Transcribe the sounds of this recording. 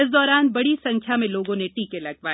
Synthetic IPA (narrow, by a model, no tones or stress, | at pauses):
ɪsd̪ɔːɾaːnbɐɽisɐ̃ŋkʰjamẽloːɡõneʈiːkelɐɡʋaː